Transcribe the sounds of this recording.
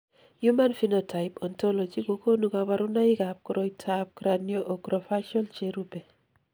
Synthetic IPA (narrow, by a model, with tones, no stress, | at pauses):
ju˦ma˦nfi˦no˨tʰa˨ɪpɔ˨nto˦lo˨d͡ʒi˦ko˨ko˦nu˨ka˨βa˦ɾʊ˦na˦ɪ˦ka˨p̚kɾo˨itʰap̚kɾa˨njo˦ʔo˨ɡɾɔ˨fa˦ʃɔ˦lt͡ʃe˦ɾu˦bɛ˨